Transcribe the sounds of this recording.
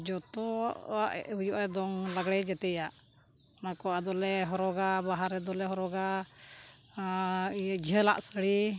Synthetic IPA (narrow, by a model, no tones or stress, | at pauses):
d͡ʒɔt̪ɔʔaʔɛ̰ujɔʔad̪ɔŋlaɡɽɛd͡ʒɛt̪ɛjaʔ | ɔnakɔad̪ɔlɛɦɔɾɔɡabaɦaɾɛd̪ɔlɛɦɔɾɔɡa | ijad͡ʒʱəla̰ʔsəɽi